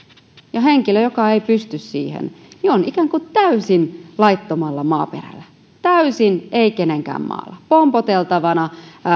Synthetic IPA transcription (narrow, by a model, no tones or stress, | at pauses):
jɑɦeŋkiløjokɑeipyst̪yssḭːhḛnnionikæːŋkut̪æysinlɑit̪ːomɑlːɑmɑːpḛræ̰lːæ | t̪æysineikeneŋkæ̰ːmmɑ̰ːlːɑpompot̪elt̪ɑʋɑnɑ